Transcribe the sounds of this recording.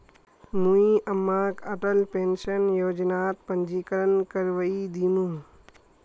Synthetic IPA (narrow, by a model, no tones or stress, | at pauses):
mũiʔəmːaːkəʈəlpeːnʃənjoːd͡ʒnaːt̪̚pənd͡ʒiːkəɾənkəɾʋəid̪inũ